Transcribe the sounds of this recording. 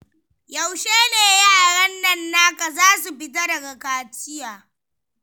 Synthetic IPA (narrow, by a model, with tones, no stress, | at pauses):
jɐ˨wʃeː˦neː˨jaː˦˨ɽɐ˦nːɐ˦˨nːaː˦ka˨zaː˦s̬u˨pɪ˦ta˦dɐ˨ɡa˨kaː˨tɪ˦jaː˨